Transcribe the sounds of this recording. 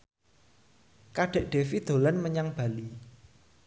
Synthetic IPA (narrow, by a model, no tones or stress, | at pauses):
kaɖ̥e̤ʔɖ̥e̤fid̪̥o̤lanməɲaŋb̥a̤li